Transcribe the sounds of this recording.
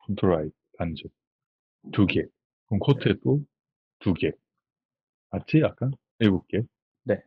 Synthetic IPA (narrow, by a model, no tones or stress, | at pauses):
pʰont̪ʰɯɾaj̚ | tand͡ʑʰe | tuɡe | kɯnkʰotʰet͈o | tuɡe | at͡ɕʰiak͈an | eɡuk̚k͈e | ne